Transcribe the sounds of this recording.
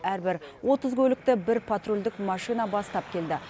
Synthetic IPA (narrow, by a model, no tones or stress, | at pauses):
æɾbɪɾwʔo̞t̪əzkʲʰɵlɪk̚t̪ɪbɪɾpʰat̪rulʲd̪ɪkmɑʃijnɑbɑst̪ɑp̚kʲʰe̞ld̪ɪ